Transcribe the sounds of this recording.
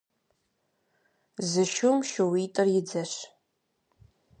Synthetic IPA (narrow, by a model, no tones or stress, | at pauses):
zɨʃumʃɨwiːtʼɐrjɪd͡zɐɕ